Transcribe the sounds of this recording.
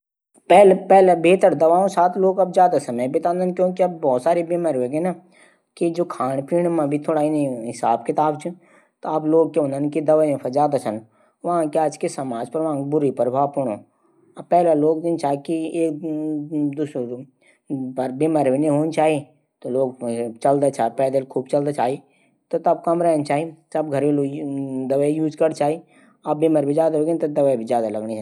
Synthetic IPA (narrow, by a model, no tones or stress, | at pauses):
pɛːlpɛːlebʱeːt̪əɾd̪ɐʋaːõsaːt̪ʰloːɡɐbd͡ʒjaːd̪asɐməjbʱeːt̪ãːnd̪ənkjõːkiɐbbɔːt̪saːɾebeməɾʋeɡena | kid͡ʒoːkʰaːɳ̃piːɽ̃mãbʱit̪ʰoːɽaːinɐĩɦɪsa̰ːbkʰɪt̪aːbt͡ʃʰũ | t̪oaːbloːɡ̚keõnd̪ənkid̪ɐʋaːiẽfʰɐd͡ʒaːd̪at͡ʃʰən | ʋɐɦãkeaːd͡ʒkesɐmaːd͡ʒpəɾʋɐɦãkbʊɾipɾbʱaːpʊɽ̃õ̰ː | pɛːlaloːɡ̚d̪ɪnt͡ʃaːikieːk̚ | d̪uːs | pɐɾbiməɾbineɦoːnt͡ʃaːɦi | t̪oloːɡt͡ʃɐld̪at͡ʃaːpɛːd̪elkʰuːb̚t͡ʃɐld̪at͡ʃaːɦi | t̪ot̪ɐb̚kɐmɾɛɦnt͡ʃaːɦit̪ɐbɡʱɐɾbild̪ɐʋəjuːd͡ʒkəɾt͡ʃaːɦi | ɐbːiməɾbid͡ʒaːd̪aoɡẽnt̪ɐd̪ɐʋəbʱid͡ʒjaːd̪alɐɡnit͡ʃʰa